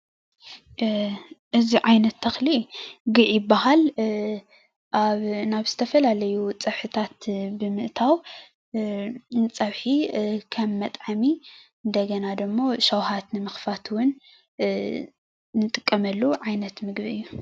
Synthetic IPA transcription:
ʔɨziʕajnɐt̪ʰːɐxliɡɨʕibahal | ʔaβnaβz̥ɨt̪ʰɐfɐlalɐjut͡sʼɐβħɨt̪ʰat̪bɨmɨʔt̪ʰaw | nt͡sʼɐβħikʰɐmːɐt̪ʼʕami | ɨnd̪ɐɡɐnad̪ɨmːo̞ʃɐwhat̪nɨmɐxfat̪ʰwʊn | nɨt̪ʼɨkʼːɐmɐlːuʕajnɐt̪mɨɡbiɨjːu

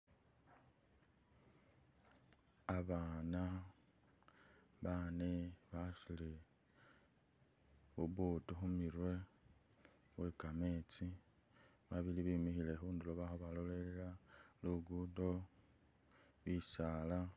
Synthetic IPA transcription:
aβana | βaneβasule | βuβutoxumiɾwe̞ | wekamet͡si | βaβiliβimixilexuːnduloβaxoβalo̞lelelaluɡudo | βisala

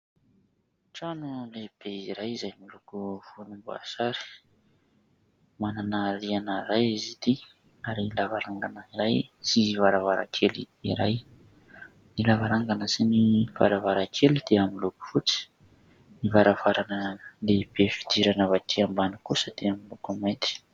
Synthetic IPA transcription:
ʈ͡ʂanuleb̥eiɾajizajmilukuv̥unumbua̰saɾi̥ | mananaɾianəɾajizit̪i | aɾilavaɾaŋɡanaiɾajsivaɾavaɾa̰kʰeli | ḭɾaj | nilavaɾaŋɡanəziniv̥a̰ɾavaɾakʰelid̪̥eamiluku̥fut͡si̥ | nivaɾavaɾanəleb̥efi̥d̪iɾanavat̪ʰiambanukusəd̪̥eamilukumant̪i̥

